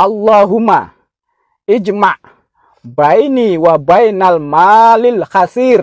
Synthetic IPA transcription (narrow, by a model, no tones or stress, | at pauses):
ʔalːaɦuma | id͡ʒmaʔ | bajniwabajnalmalilxasiɾ